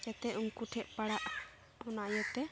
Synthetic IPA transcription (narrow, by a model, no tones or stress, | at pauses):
d͡ʒɛt̪ɛʔuŋkuʈʰɛʔpaɽaʔ | ɔnaʔjɔt̪ɛ